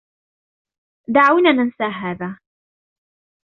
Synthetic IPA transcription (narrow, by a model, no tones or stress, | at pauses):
d̪aʕawnaːnansaːɦaːðaː